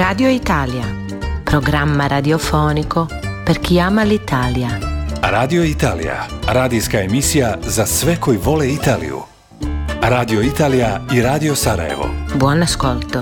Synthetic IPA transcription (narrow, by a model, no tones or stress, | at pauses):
ɾaːd̪ioit̪aːlja | pɾoɡɾamːaɾad̪iofoːnikopeɾk̟iaːmalit̪aːljaɾaːd̪ijoit̪aːlḭja̰ɾaːd̪iskaemisijazasʋekojiʋo̞leit̪aːlḭjṵ | ɾaːd̪ioit̪aːlijaiɾaːd̪iosaɾa̰jḛʋo̰bwɔnaskolt̪o